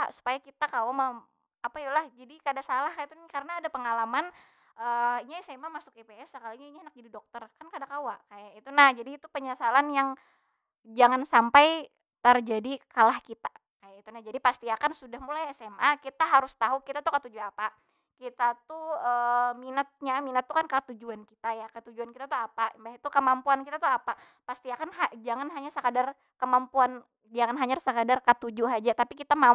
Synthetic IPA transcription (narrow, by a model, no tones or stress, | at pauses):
su̥pajakit̪akawamə | apait̪ulahd͡ʒadikadasalahkajat̪unkarənaːdapəŋalaman | əːiɲaɛsɛmamasʊk̚epeɛsəkaliɲaiɲaanak̚d͡ʒadidɔk̚t̪ərkankadakawaʔkajaʔit̪unahd͡ʒadiːt̪upəɲasalanjaŋ | d͡ʒaŋansampaj | t̪ərd͡ʒadikalahkit̪a | kajait̪unad͡ʒadipast̪iakansudahmulajɛsɛmʔakit̪aɦaɾʊst̪aɦukit̪at̪ukət̪ud͡ʒuapa | kit̪at̪uəminət̪̚ɲaminət̪ːukankət̪ud͡ʒuankit̪ajakət̪ud͡ʒuankit̪at̪uapambaɦit̪ukəmampuankit̪at̪uapa | past̪iakanɦad͡ʒaŋanɦaɲasəkadar | kəmampuan | d͡ʒaŋanɦaɲasəkadarkət̪ud͡ʒuɦad͡ʒat̪apikit̪ama